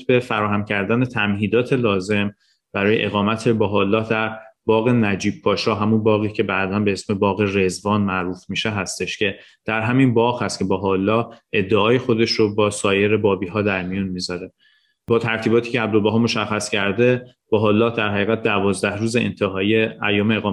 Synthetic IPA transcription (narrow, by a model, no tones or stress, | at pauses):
t̪be̞fæɾɒːɦæmcʰæɾd̪æne̞t̪ʰæmhiːd̪ɒːt̪ʰe̞lɒːze̞m | b̥æɾɒːje̞̰ʔe̞ɣɒːmæt̪ʰe̞bɒɦɒːlːɒːhd̪æɾbɒːɣe̞næd͡ʒiːb̥̚pʰːɒːʃɒːɦæmunbɒːɣiːcʰe̞bæd̪ænbeesme̞bɒːɣe̞re̞zvɒːnmæʔɾuːfmiːʃe̞ɦæst̪e̞ʃcʰe̞ | d̪̥æɾɦæminbɒːɣhæst̪̚cʰe̞bɒɦɒlːɒːʔe̞d̪ːeɒːje̞xo̞d̪e̞ʃɾobɒːsɒːje̞ɾe̞bɒːbiːɦɒːd̪æɾmijunmiːzɒɾe̞ | bɒːt̪ʰæɾt̪ʰiːbɒːt̪ʰiːceæb̚d̪olbæɦɒːmo̞ʃæxːæscʰæɾd̪e̞ | b̥ɒɦɒːlːɒːhd̪æɾɦæɣiːɣæt̪̚d̪ævɒːzd̪æhɾuːzeḛnt̪ʰeɦɒːiːeæjːɒːmeːɣɒː